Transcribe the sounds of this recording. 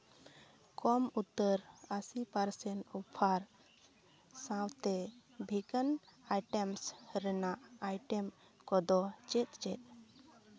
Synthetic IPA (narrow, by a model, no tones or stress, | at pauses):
kʰɔmut̪ːəɾasipaɾsɛɳʈupʰaɾ | sãwt̪ɛbʱikənajʈɛmsɾɛnaʔajʈɛm | kɔd̪ɔt͡ʃɛt̪̚t͡ʃɛt̪̚